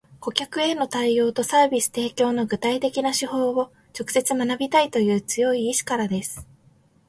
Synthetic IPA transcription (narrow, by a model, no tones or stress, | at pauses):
ɡ̥o̞kʲakɯ̟e̞no̞t̪aio̞ːt̪o̞saːbʲisɨ̥t̪e̞ːkʲo̞ːno̞ɡɯ̟t̪ait̪e̞kʲinaɕiho̞ːβo̞ | t͡ɕo̞kɯ̟se̞t͡sɨmanabʲit̪ait̪o̞jɯ̟ːt͡sɨjo̞iːɕi̥kaɾad̪e̞sɨ̥